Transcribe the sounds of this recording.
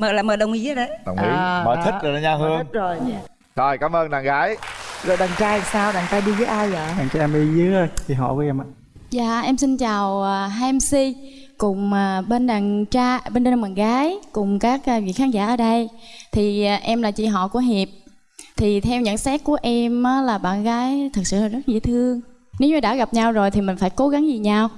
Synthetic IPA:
məː˨˩laː˨˩məː˨˩ɗə˨˩wŋ͡mʔḭ˨˦a˧˦ɗə˨˦ɗə˨˩wŋ͡mʔḭ˨˦məː˧˩tʰï˦˩˥zo˨˩naː˧˦ɲaː˧whɨ˧ə˦ŋ̚zo˨˩j | t̪ʰo˨˩jkaː˨˦mʔəː˧nɗa̰ː˨˩ŋɣaː˨˦jə˨˦ɗa˨˩ŋt͡ɕaː˧jsaː˧wɗaː˨˩ŋt͡ɕaː˧jɗi˧vəː˨˦ʔaː˧jzəː˨˩ɗa̰˨˩ŋt͡ɕa˧ʔɛ˧mɗi˧zɨ˨˦˧t͡ɕi˨˩ɦɔ̰˧˨ku˨˦ʔɛ˧maː˨ | za̰ː˧˨ʔɛ˧msi˧nt͡ɕaː˨˩wəː˨˩ɦaː˧msi˧ | kʊ˨˩ŋ͡məː˨˩ɓe˧nɗaː˨˩ŋt͡ɕaː˧ɓe˧nɗe˧n˧˩maː˨˩nɣaː˨˦jkʊ˨˩ŋ͡mkaː˦˥k̚ʔːvḭ˧˨xaː˨˦nza̰ː˧˨ʔəː˧˩ɗə˧jt̪ʰiː˨˩˨ʔɛ˧mlaː˨˩t͡ɕḭ˧˨ɦɔ̰˧˨ku˧˩əɦi˨˩əp̚ | t̪ʰi˨˩t̪ʰɛ˧wɲɨ̰˧˨nsɛ˦˥k̚ku˧˩əʔɛ˧mʔəː˨˦laː˨˩ɓa̰ː˧˨nɣaː˨˦jt̪ʰɨ˨˩k̚sɨ̰˧˨laː˨˩zə˦˥t̚ɣḭ˧˥ət̪ʰɨ˧əŋ | ne˨˦wɲɨ˨˧˩ɗa̰ː˧˥ɣa˨˩p̚ɲa˧wzo˨˩jt̪ʰi˨˩mï̟˨˩faː˧˦jko˨˦ɣa˨˦ŋzi˨˩ɲa˧w

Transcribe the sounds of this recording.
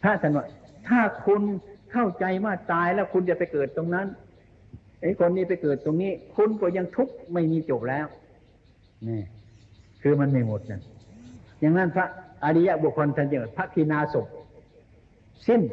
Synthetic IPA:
pʰa˦˧˥t̪ʰa˧˥˩nwaː˧˩t̪ʰaː˧˩kʰu˧nkʰa˥˩wt͡ɕa˧jwaː˧˥˩t̪aː˨jlɛː˦˥˩wkʰu˧nt͡ɕa˨ʔpa˧jkɤː˨˩t̪ːo˧ŋna˦˧˥n | ʔa˧˩jkʰo˧nːiː˧˩pa˧˨jkɤː˨˩t̪ːo˧ŋniː˧˥˩kʰu˧nkɔː˧˩ɲa˧ŋt̪ʰu˦˥k̚ma˧˩jmiː˧˥t͡ɕo˨˩p̚lɛː˦˥˨w | nɛː˧˩kʰɯː˧ma˧nma˧˩jmo˨˩t̪̚na˧˩n | ja˨ŋna˦˥˨npʰa˦˧˥ʔʔa˧ɾi˧˥ja˧˥bu˧˩əkʰɔ˧n˧t̪ʰa˧˨t͡ɕa˧˩ŋ˧˨˩pʰa˦˥ʔt̪ʰiː˧˩˨naː˧so˨˩p̚ | si˧˩˨n

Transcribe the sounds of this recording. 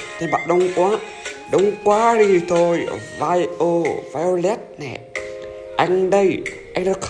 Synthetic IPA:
t̪ʰe˧ɓa̰ː˧˨ɗə˨˧˦wŋ͡mkwaː˨˦ | ɗə˨˧wŋ͡mkwaː˨˦ɗi˧t̪ʰo˧jvaː˧jʔo˧va˧o˧lɛ˦˥t̚nɛ̰˨˩ | ʔa˧jŋ̟ɗə˧jʔa˧jŋ̟ɗə˧˦˧

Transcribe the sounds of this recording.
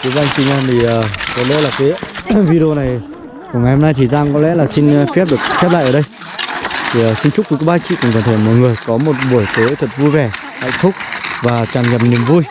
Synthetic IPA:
ki˨˦ɓaː˧jŋ̟si˧ŋʔa˧nt̪ʰi˨˩ʔəː˨˩kɔ˨˦lɗə̰˧˥laː˨˩kaː˨˦vi˧ɾo˧na˨˩j | ku˧˩əŋa˨˩jho˧mna˧jt̪ʰi˨˩zaː˧ŋkɔ˨˦lɛ̰˧˥laː˨˩sï˧ŋ̟˧fi˦˥p̚ɗɨ˨˩ək̚fɛ˦˥p̚la̰ː˧˨ʔəː˧˩ɗə˧j | t̪ʰi˨˩ə˨˩sï˧ŋt͡ɕʊ˦˥ku˨˦kːɓaː˧t͡ɕḭ˧˨kʊ̰˧˩ŋ͡mkə˨˧˩nt̪ʰe˧˩mo˨˩jŋɨ˨˩əjkɔ˨˦mo˨˩t̚ɓu˧˩əjt̪e˨˦t̪ʰə˨˩t̚vu˧jvɛ˨˩ | hə̰˧˨ŋ̟t̪ʰʊ˦˥k͡p̚vaː˨˩t͡ɕaː˨˩nŋɛ˨˩p̚ni˨˩əmvu˧j

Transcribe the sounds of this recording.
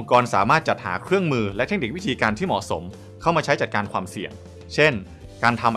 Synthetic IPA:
ŋkɔː˧nsaː˩˦maː˥˩t̪̚t͡ɕa˨˩t̪̚ha̰ː˩˦kʰɾɯ˥˩əŋmɯː˧lɛ˦˥t̪ʰe˦˥k̚ni˨˩k̚wi˦˥t̪ʰiː˧kaː˧nt̪ʰiː˥˩mɔ̰˨˩so˩˦m | kʰa˥˩wmaː˧t͡ɕʰa˦˥jt͡ɕa˨˩t̪̚kaː˧nkʰwaː˧msi˨˩əŋ | t͡ɕʰe˥˩n | kaː˧nt̪ʰa˧mʔ

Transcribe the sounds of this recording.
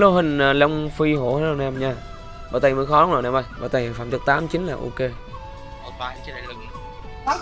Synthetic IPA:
lo˧ɦï˨˩ŋ̟ː˨˩lə˧wŋ͡mfi˧ɦo˧˩˦hə˨˦zo˧˩nɛ˧mɲaː˧ | ɓəː˨˧˩t̪ə˨˩jməː˨˧˦xɔ˨˦lŋ͡mnzo˨˩nɛ˧mʔə˧˩jɓə̰ː˧˩t̪a˨˩jfaː˧˩mt̪ɨ˨˩k̚t̪aː˨˦mt͡ɕi˨˦nlaː˨˩ʔṵ˧ke˧˨˩

